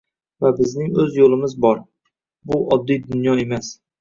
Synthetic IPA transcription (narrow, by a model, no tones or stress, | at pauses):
vabɪznɪŋɵzjolˠɪmɪzbɒɾ | bʊʔɒd̪ːijd̪ʊnjɒe̞mas